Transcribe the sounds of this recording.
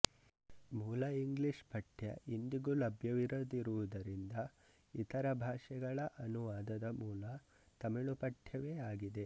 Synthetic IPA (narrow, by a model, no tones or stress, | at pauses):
muːlɐiŋɡliʂpʰɐʈʰjɐ̰ʔind̪iɡulɐbʱjɐʋiɾoːd̪iɾuʋud̪ɐɾind̪ɐ | it̪ɐɾɐbʱaːʂɛɡɐɭɐʔɐnuʋaːd̪ɐd̪ɐmuːlɐ | t̪ɐmiɭupɐʈʰjɐʋe̞ːaːɡid̪e̞